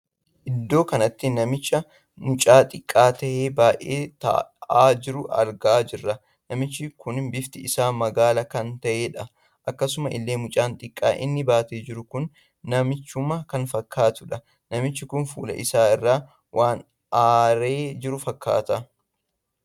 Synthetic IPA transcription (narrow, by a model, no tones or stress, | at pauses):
ʔɪd̪ːo̞ːkɐnɐt̪ːɪnɐmɪt͡ʃːɐ | mʊt͡ʃʼaːt̪ʼɪkʼːaːt̪ɐʔeːbaːjʔeːt̪ɐ̰ʔaːd͡ʒɪɾʊɐ̰ɾɡɐʔaːd͡ʒɪrːɐ | nɐmɪt͡ʃːɪkʊnɪbɪft̪ɪɪsaːmɐɡaːlɐkɐnt̪ɐʔeːᶑɐ | ʔɐkːɐsʊmɐʔɪ̰lːeːmʊt͡ʃʼaːnt̪ʼɪkʼːa̰ːʔɪ̰nːɪbaːt̪eːd͡ʒɪɾʊkʊnː | ɐmɪt͡ʃːʊmɐkɐnfɐkːaːt̪ʊᶑɐ | nɐmɪt͡ʃːɪkʊnfṵːlɐ̰ʔɪsaːɪrːaː | wʔaːn | ʔaːɾe̞ːd͡ʒɪɾʊfɐkːa̰ːt̪ɐ